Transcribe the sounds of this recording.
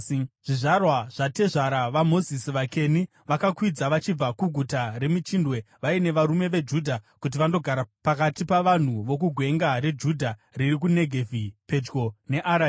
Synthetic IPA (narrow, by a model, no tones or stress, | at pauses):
ʐ̥iʐarwaʐ̥ate̞ʐaɾaʋamo̞zisiʋake̞ni | ʋakakwid͡zaʋat͡ʃib͡vakuɡʱutaɾe̞mit͡ʃindwe̞ʋaine̞ʋaɾume̞ʋe̞d͡ʒudʱakut̬iʋando̞ɡʱaɾapakatipaʋan̤uʋo̞k̬uɡʱwe̞ŋɡaɾe̞d͡ʒudʱaririk̬une̞ɡʱevipe̞d͡ʒɡo̞ne̞ʔaɾa